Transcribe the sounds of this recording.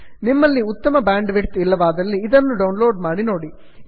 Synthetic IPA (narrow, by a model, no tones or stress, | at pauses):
nimːɐlːiut̪ːɐmɐbaːɳɖʋeʈt̪ilːɐʋaːd̪ɐlːiːd̪ɐnːuɖɐwnlo̞ːɖmaːɽino̞ːɽi